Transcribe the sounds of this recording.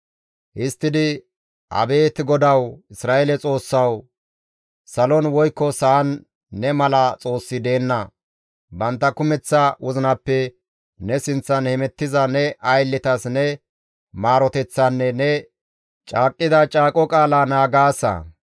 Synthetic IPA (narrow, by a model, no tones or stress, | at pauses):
ʔɪst̪ːɪd̪ɪ | ʔɐ̰be̞ːt̪ɡɔd̪ɐwɪsɾaːelɛt͡sʼo̞ːsːɐw | sɐlɔnwɔjkːɔsɐːnː | ɛmɐlɐt͡sʼo̞ːsːɪd̪e̞ːnːɐ | bɐnt̪ːɐkʊmɛt͡sːɐʔʊzɪnɐpːɛ | nɛsɪnt͡sːɐnhɛmɛt̪ːɪzɐnɛʔɐjlːɪt̪ɐsnɛ | maːɾɔt̪ɛt͡sːɐnːɛnɛ | t͡ʃʼaːkʼːɪd̪ɐt͡ʃʼaːkʼɔkʼaːlaːnaːɡaːsːɐ̰